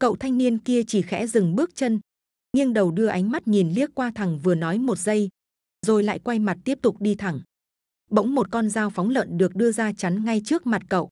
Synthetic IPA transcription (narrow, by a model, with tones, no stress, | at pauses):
kə̰˧˨wt̪ʰa˧jŋ̟ni˧ənki˧ət͡ɕi˧˩xɛ̰˧˥zɨ˨˩ŋɓɨ˦˥ək̚t͡ɕə˧n | ŋi˧ənɗə˨˩wɗɨ˧əʔa˨˦jŋ̟ma˦˥t̚ŋi˨˩nli˦˥ək̚kːwaː˧t̪ʰa˨˩ŋvɨ˨˩ənɔ˨˦jmo˨˩t̚zə˧j | zo˨˩jla̰ː˧˨jkwa˧jma˨˩t̚t̪i˦˥əp̚t̪ʊ˨˩k͡p̚ɗi˧t̪ʰa˨˩ŋ | ɓə̰˧˥wŋ͡mmo˨˩t̚kɔ˧nzaː˧wfɔ˨˦wŋ͡mlə̰˧˨nɗɨ˨˩ək̚ɗɨ˧əzaː˧t͡ɕa˨˦nŋa˧jt͡ɕɨ˦˥ək̚ma˨˩t̚kə̰˧˨wʔ